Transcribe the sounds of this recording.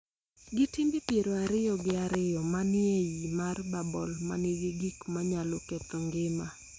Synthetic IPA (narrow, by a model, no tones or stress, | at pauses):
ɡɪtimbɪpjeɾoaɾɪjɔɡɪaɾɪjɔmanɪejimarbabɔ̰lma̰nɪɡɪɡikmaɲalɔket̪ɔŋɡɪma